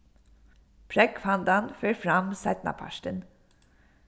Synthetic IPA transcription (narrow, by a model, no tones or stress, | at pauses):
pʰɾɛkfɑnd̪ɑnføːɾfɾɑmsɛt̪nɑ̰pʰɑ̰ʃʈən